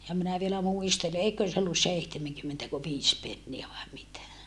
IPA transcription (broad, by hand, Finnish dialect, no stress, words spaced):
jɑ minæ ʋielæ muistele eikøːn se olːus seihtemeŋkymːentæko ʋiːs penːiæ ʋɑe mitæ